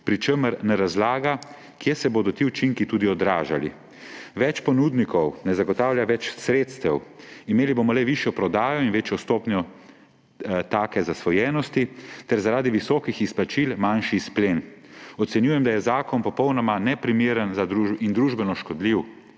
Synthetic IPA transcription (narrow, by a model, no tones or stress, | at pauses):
pɾit͡ʃəməɾnɛɾazlaːɡa | kjesɛboːd̪ɔt̪iut͡ʃiŋkit̪uːd̪iɔd̪ɾaːʒalḭ | ʋɛt͡ʃpɔnuːd̪nikɔwnɛzaɡɔt̪aːwlʲjaʋɛt͡ʃsɾeːt̪st̪ɛwimeːlibomɔlɛʋiʃjɔpɾɔd̪aːjɔinʋeːt͡ʃjɔst̪oːpnjɔ | t̪aːkɛzasʋɔjɛːnɔst̪it̪ɛɾzaɾaːd̪iʋisɔːkixispat͡ʃilmanʃisplenɔt̪sɛnjuːjɛmd̪ajɛzaːkɔnpɔpɔwnɔmanɛpɾimeːɾənzad̪ɾuind̪ɾuʒbɛnɔʃkɔd̪liw